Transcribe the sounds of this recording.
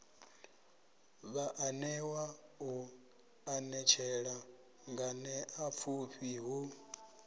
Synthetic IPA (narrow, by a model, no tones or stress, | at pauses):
βaʔanɛwau | anɛt͡ʃʰɛɺa | ŋɡanɛʔap̪fʰuɸiɦu